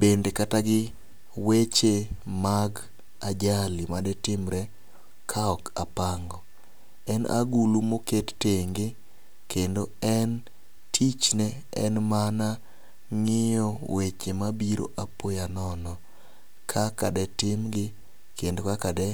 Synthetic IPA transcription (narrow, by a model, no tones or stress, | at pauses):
bendekataɡɪ | wet͡ʃemaɡ | ad͡ʒalimadɛtɪmɾɛ | kʰaɔkapaŋɡɔ | ɛna̰ɡulumoketteŋɡɪ | kʰendoɛn | tʰit͡ʃnɛ | ɛ̰nmana | ŋɪjɔwet͡ʃemabiɾo̰ʔapojanɔnɔ | kʰakadɛtɪmɡɪ | kendokakadɛ